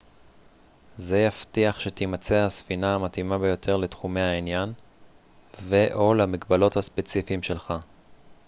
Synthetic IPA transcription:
zejaft̪iaχʃe̞t̪imat͡sehasfinaamat̪imabe̞jo̞tʰe̞ʁlet̪χume̞hainjan | veʔo̞lamikbalo̞thaspe̞t͡sifimʃe̞lχa

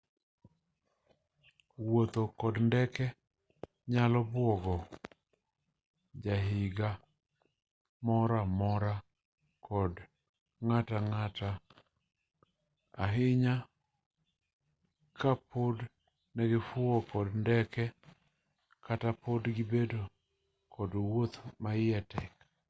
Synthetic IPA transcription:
wot̪okɔdndɛkɛ | ɲalɔbwɔɡɔ | d͡ʒaɦɪɡa | mɔɾamɔɾa | kʰɔd | ŋataŋata | a̰ɦɪɲa | kapʰod | nɛɡɪfʊokɔdndɛkɛ | katapodɡɪbedo | kʰɔdwot̪maɪɛtɛk

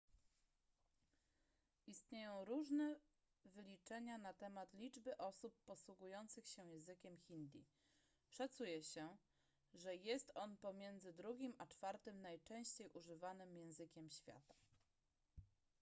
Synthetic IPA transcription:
ʔist̪ɲejɔ̃w̃ɾuʐnɛ | vɘlʲit͡ʂɛɲanat̪ɛmat̪lʲid͡ʐbɘʔɔsupːɔswuɡujɔnt̪sɘxɕɛjɛ̃zɘkʲɛmxʲind̪ʲjḭ | ʂat̪sujɛɕɛ | ʐɛjɛst̪ɔnpɔmʲjɛnd̪zɘd̪ɾuɡʲimat͡ʂfaɾt̪ɘmnajt͡ʂɛ̃w̃ɕt͡ɕejʔuʐɘvanɘmjɛ̃w̃zɘkʲɛmɕfʲja̰t̪ḁ

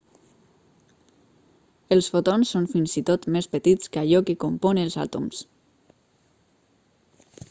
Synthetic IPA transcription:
elˠsfot̪onsːonfinzit̪ot̪mespət̪it̪skaʎɔkekompɔnelˠza̰t̪ums

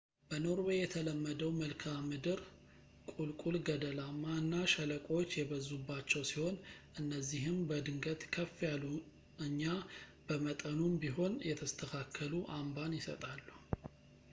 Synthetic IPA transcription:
b̥əno̞ɾwejɛt̪ʰələmːəd̪əwməlkʰamːɨd̪ɨɾ | kʼulkʼulɡəd̪əlamːaɨnːaʃələkʼo̞t͡ʃːjɛbəzːubːat͡ʃːɛwsiho̞nʔɨnːəzːiɦɨmbəd̪ɨŋɡət̪kʰəfːjalu | ɨɲːab̥əmət̪ʼənumbiɦo̞njɛt̪ʰəst̪ʰəkʰakʰːəluʔambanjɪsə̰t̪ʼalːu

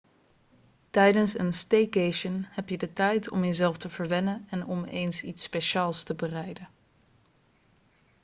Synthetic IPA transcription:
tɛjdənsə̰nstejkeʃənhɛpjədətɛjtɔ̰mjəzɛlˠftəvəɹʋɛnənɛnɔmḛjnsitspeʃaːlˠstəbərɛjdən

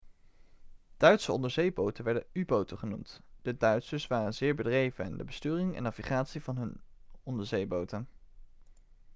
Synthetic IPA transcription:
d̥œɥtsəɔndəɹzejbowtəʋɛɹdənybowtəχənumtd̥ədœɥtsəsʋaːrənzɪːɹbədrejvən̰ndə̰bəstyːrɪŋɛ̰nɑviχaːtsivɑnɦɵnɔndəɹzejbowtən

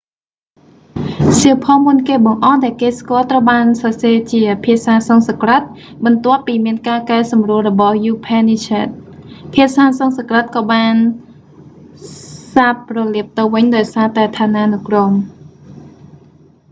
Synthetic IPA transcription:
siəwpʰɑːmunkeːɓɑŋʔɑhɗaɛlkeːskŏəlt̪rəwɓaːnsɑseːt͡ɕiəpʰiəʔsaːsɑŋsɑkrət̪̚ | ɓɑnt̪ŏəpːiːmiənkaːkaɛsɑmruəlrɔɓɑhjuːpʰɛnit͡ɕɛːt̪̚pʰiəʔsaːsɑŋsɑkrət̪̚kɑːɓaːn | saːp̚rɑliəp̚t̪ɨwʋɨɲɗaɔjsaːt̪aɛt̪ʰaːnaːnɨkrom

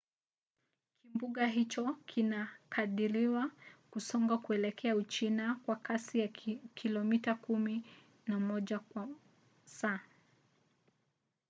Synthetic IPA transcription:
kʰimbuɠaɦit͡ʃɔkʰinakʰaɗiɾiwakusɔŋɡakuɛlɛkʰɛaut͡ʃinakwakasijakʰilɔmitakumi | namɔʄakwa | saː

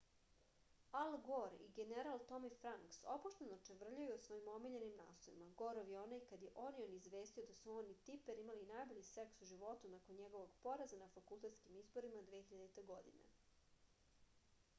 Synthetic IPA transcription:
alˠɡoɾḭɡeneɾalˠt̪o̞mifɾaŋksopoʃt̪enot͡ʃeʋr̩ʎujuosʋoimo̞miʎe̞nimna̰ːst̪ojḭmaɡo̞ɾoʋjeo̞najkad̪jeʔo̞nioniːzʋe̞ːst̪io̞d̪asuonit̪ipeɾimalinajbo̞ʎise̞ksuʒiʋo̞t̪unakonɲe̞ɡo̞ʋo̞ɡpo̞ɾazanafakulˠt̪e̞t̪skimizbo̞ɾimad̪ʋeexiʎad̪et̪eɡo̞d̪ḭnḛ

